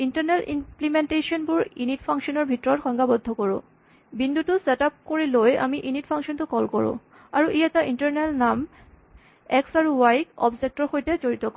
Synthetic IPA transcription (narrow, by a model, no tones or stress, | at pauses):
intaɹnelimplimenteʃɔnbuɹinitpʰaŋkʃɔnɔɹbʱitɹɔɹxɔŋɡabɔd̪ʱːɔkɔɹʊ̰̃ | bind̪ʱutʊsetap̚koɹiloja̰miʔinitpʰaŋkʃɔntʊkɔlkɔɹʊ̰̃ | aɹuʔijɛtaʔintɔɹnɛlnam | ɛksaɹuwajkɔ̰bzek̚tɔɹxojtɛzoɹit̪ɔkɔ